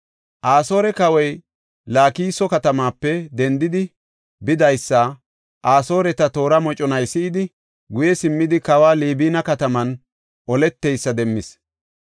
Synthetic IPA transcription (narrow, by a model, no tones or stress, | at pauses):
ʔaːso̞ːɾɛkɐwɔj | laːkiːsɔkɐt̪ɐmaːpːɛd̪ɛnd̪ɪd̪ɪ | bɪd̪ɐjsːa | ʔaːso̞ːɾɛt̪ɐt̪o̞ːɾɐmɔt͡ʃʼɔnɐjsɪɪd̪ɪ | ɡʊjɛsɪmːɪd̪ɪkɐwaːliːbiːnɐkɐt̪ɐmɐn | ʔɔlɛt̪ːejsːɐd̪ɛmːɪs